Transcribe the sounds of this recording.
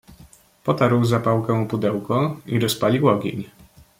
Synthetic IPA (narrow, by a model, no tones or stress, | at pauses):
pɔt̪aɾwzapawkɛw̃pud̪ɛwkɔiɾɔspalʲiwɔɡʲḛɲ